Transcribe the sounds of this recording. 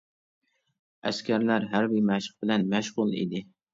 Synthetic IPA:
æ̰skʲæɾlæɾɦæɾbɪjmæʃq̚bɪlɛnmæʃʁʊlˠḭd̪ɪ

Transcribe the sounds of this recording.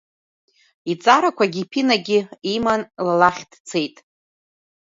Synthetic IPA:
it͡sʼaɾakʷʰaɡʲipʰinaɡʲɪimanlalaχʲd̥t͡sʰe̞jtʼ

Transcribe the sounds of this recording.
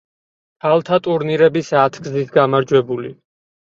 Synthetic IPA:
pʰalˠt̪ʰat̪ʼuɾniɾɛbisat̪ʰɡzit̪ʰɡamaɾd͡ʒwɛbuli

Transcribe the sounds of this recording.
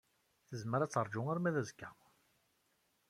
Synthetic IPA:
θəzməɾæt͡sːəɾˤd͡ʒʊŋaɾmæðæzkːæ

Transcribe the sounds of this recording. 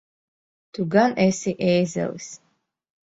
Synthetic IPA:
t̪ʰuɡanʔɛsiʔɛːzɛ̰lḭs

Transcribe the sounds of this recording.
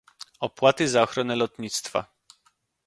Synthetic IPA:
ɔpwat̪ɘzaɔxɾɔnɛlɔt̪ɲit̪st̪fa̰

